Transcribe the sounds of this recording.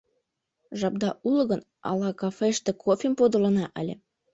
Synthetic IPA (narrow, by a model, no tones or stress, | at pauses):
ʒɑb̚d̪ɑʔulɤ̆ɣən | ɑ̰lɑkɑfeʃt̪ĕkʰofʲempod̪ɤ̆lɤ̆nɑʔəlʲe